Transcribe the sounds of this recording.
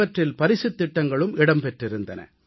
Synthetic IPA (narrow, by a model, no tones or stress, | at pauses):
ɐʈrɪlpɐɾɪsɯt̪ːɪʈːɐŋɡɐɭɯmɪɽɐmpɛʈrɪɾɯnd̪ɐnɐ̰